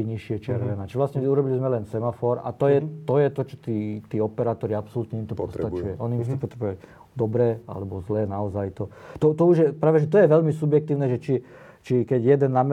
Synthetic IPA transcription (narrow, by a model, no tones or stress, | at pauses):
ɲiʃɪɛt͡ʃɪɛɾʋɛnaːt͡ʃiʋlasɲɛuɾɔbilizmɛlɛnsɛmafɔɾa̰t̪ɔjɛt̪ɔjɛt̪ɔt͡ʃɔ̥t̪iːt̪iːɔpɛɾaːt̪ɔɾiapsɔlut̪ɲɛimt̪ɔpɔst̪at͡ʃujɛʔɔniimst͡sɛpɔt̪ɾɛbua | d̪ɔbɾɛːa̰lɛbɔzlɛːnaɔzajt̪ɔt̪ɔt̪ɔuʒjɛpɾaːʋɛʒɛt̪ɔjɛʋɛʎmisubjɛk̚t̪iːʊnɛʒɛt͡ʃi | t͡ʃikɛɟjɛd̪ɛnːam